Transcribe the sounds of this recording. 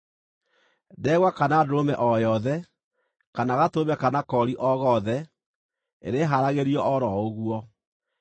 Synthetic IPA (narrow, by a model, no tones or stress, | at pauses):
dɛɣwakanaːdoɾomɛʔɔjɔðɛ | kanaɣatomɛkanakɔɾiʔɔɣɔðɛ | ḛɾeɦaɾaɣeɾiɔʔɔɾɔoɣuɔ